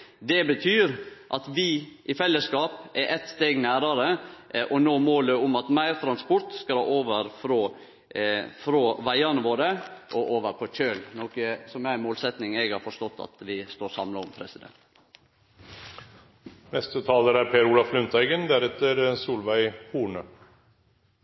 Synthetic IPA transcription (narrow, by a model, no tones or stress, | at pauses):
d̪ɛbət̪ʰyːɾʔɑt̪ʋɪʔɪfɛlːəskɑːpʔɛɾʔɛt̪st̪eːɡnæːɾɑɾəʔɔnoːmoːləʊmɑt̪mæɪɾt̪ʰɾɑnspʊɾt̪skɑlhɑ̰ːʔoːʋəɾfɾo | fɾoʋæɪɑnəʋoːɾəʔɔʔoːʋəɾpʰɔc͡çøːlnɔkəsɔmæmoːlsɛt̪nɪŋɛɡhɑɾfɔʂt̪ɔt̪ːɑ̰t̪ʋɪst̪oːɾsɑ̰mlɑɔ̰mpʰɾɛsɪd̪ɛ̰nt̪ | nɛst̪ət̪ʰɑːləɾæɾpʰeːɾuːlɑflʉnt̪æɪɡənd̪æɾɛt̪ːəɾsuːlʋæɪpʰuːɳə